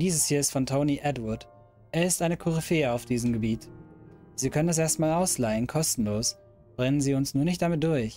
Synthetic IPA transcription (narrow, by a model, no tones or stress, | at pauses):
d̥iːzəshiːɐɪstfɔntʰoʊniʔɛdwʊɐd | ʔeːɐɪstʔaɪnəkʰʊʁifeːəaʊfd̥iːzəmɡəbiːt | z̥iːkʰœnənɛs̬ʔeːɐstmaːlaʊslaɪənkʰɔstn̩loːs | b̥ʁɛnənziːʊnsnuːɐnɪçt̚d̥amɪt̚d̥ʊɐç